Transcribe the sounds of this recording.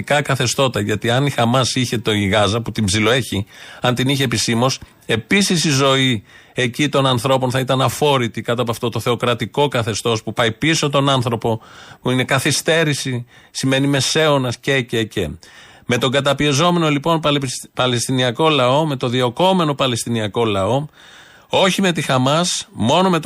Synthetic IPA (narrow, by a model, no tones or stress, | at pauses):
kɐkɐθe̞st̪o̞t̪ɐʝɐt̪iɐnixɐmɐsiçe̞t̪o̞iɣɐzɐput̪ibzilo̞e̞çiɐnt̪iniçe̞pisimo̞s | e̞pisisizo̞ie̞cit̪o̞nɐnθɾo̞po̞nθɐit̪ɐnɐfo̞ɾit̪ikɐt̪ɐp̬oɐft̪o̞t̪o̞θe̞o̞kɾɐt̪iko̞kɐθe̞st̪o̞spupɐjpiso̞t̪o̞nɐnθɾo̞po̞puine̞kɐθist̪e̞ɾisi | sime̞nime̞se̞onɐsce̞cece | me̞t̪o̞ŋɡɐt̪ɐpiezo̞me̞no̞lipo̞npɐle̞st̪iniɐko̞lɐo̞me̞t̪o̞ðio̞ko̞me̞no̞pɐle̞st̪iniɐko̞lɐo̞ | o̞çime̞t̪ixɐmɐsmo̞no̞me̞t̪